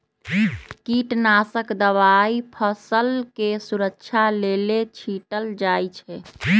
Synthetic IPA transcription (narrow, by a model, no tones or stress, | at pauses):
kiʈnasəkd̪əʋaipʰəsəlkesuɾəkt͡ʃʰalelet͡ʃʰiʈəld͡ʒajt͡ʃʰɛ